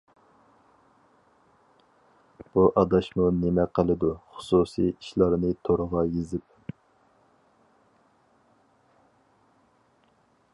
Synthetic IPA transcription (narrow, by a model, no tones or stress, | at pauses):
b̥uʔɑd̪ɑʃmunemɛqʰəlˠɨd̪uχʊ̥susḭiʃlˠɑɾnɨt̪ʰoɾʁɑjezɪp̚